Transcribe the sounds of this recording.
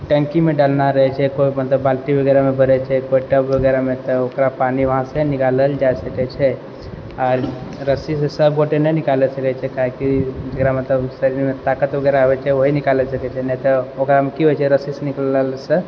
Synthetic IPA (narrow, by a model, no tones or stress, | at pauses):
ʈə̃ŋkimeɖalnaɾəɦɛt͡ʃʰɛkoimət̪ləbːalʈibʱəɡɛɾamebʱəɾɛt͡ʃʰɛkoiʈəbʋəɡɛɾamet̪ɔokɾapaniʋəɦãsenikaləld͡ʒaesəkɛt͡ʃʰɛ | aːɾːəsisesəbɡoʈenɛnikalɛsəkɛt͡ʃʰɛkaɦekid͡ʒəkɾamət̪ləbsəɾiɾmet̪akət̪bəɡɛɾaəbɛt͡ʃʰɛʋoɦinikalɛsəkɛt͡ʃʰɛnɛt̪ɔokɾamekiɦojt͡ʃʰɛɾəsiseniklləlsə